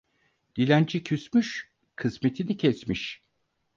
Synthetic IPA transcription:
d̪̥ilʲænd͡ʒicʰysmyʃ | kʰɯsme̞t̪ʰinicʰɛsmiʃ

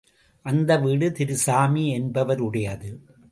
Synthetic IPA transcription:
ʔɐnd̪ɐʋiːɽɯt̪ɪɾɯsaːmiɛnbɐʋɐɾʊɽɐjɐðɯ

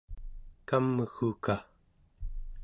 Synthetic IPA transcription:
kamːəxuka

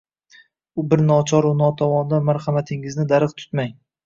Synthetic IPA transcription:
ʊbɪɾnɒt͡ʃʰɒɾʊnɒt̪ʰɒmɒnd̪anmaɾhamat̪ʰɪŋɪznɪd̪aɾɨqt̪ʰʊ̥t̪maj

